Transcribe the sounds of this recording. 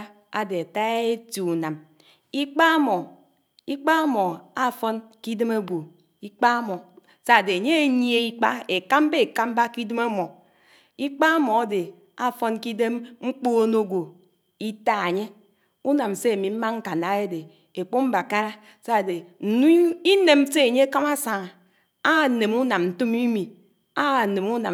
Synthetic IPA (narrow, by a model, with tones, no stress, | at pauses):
a˨de˨a˨ta˦e˦ti˨u˨na˨m | i˦k͡pa˦a˦mɔ˨ | i˦k͡pa˦a˦mɔ˨a˦˨fo˦nki˦de˦me˦ɡʷo˨ | i˦k͡pa˦a˦mɔ˨ | sa˦˨de˨e˨ɲe˦e˦ɲi˦e˨i˦k͡pa˦e˨ka˦m˦be˦e˨ka˦m˦ba˦ki˦de˦ma˦mɔ˨ | i˦k͡pa˦a˦mɔ˨a˦de˨ | a˦˨fo˦nki˦de˦mŋ͡m̩˦k͡po˦no˦˨ɡʷo˨ | i˦ta˦a˨ɲe˦ | u˦na˨m˨se˦a˨mi˨m̩˦ma˦ŋ̩˦ka˨na˨˦e˦de˨ | e˨k͡po˦m̩˦ba˨ka˦ɾa˦ | sa˦˨de˨n̩˨nu˦i˦ne˨m˦se˦e˨ɲe˦a˦ka˦ma˦sa˨ŋ˨ | a˦˨ne˨mu˦na˨mn̩˨tu˦mi˦mi˨ | a˦˨ne˨mu˦na˨